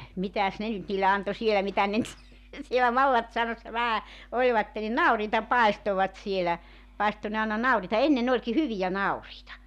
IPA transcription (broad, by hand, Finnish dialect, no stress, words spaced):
mitæs ne nyt niːlːe ɑnto sielæ mitæ ne nyt sielæ mɑlːɑtsɑunɑsːɑ ʋæhæ olʲʋɑtːe ni nɑuriːtɑ pɑestoʋɑt sielæ pɑisto ne ɑˑenɑ nɑuriːtɑ enːen olʲki hyʋijæ nɑuriːtɑ